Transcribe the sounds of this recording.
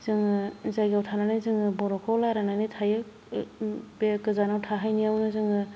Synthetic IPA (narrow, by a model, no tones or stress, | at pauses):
z̥ɯŋɯzajɡawtʰananajzɯŋɯbɔɾɔkʰɔlaɾananijtʰajɯ | bkɯzanawtʰaɦajniawnɯzɯŋɯ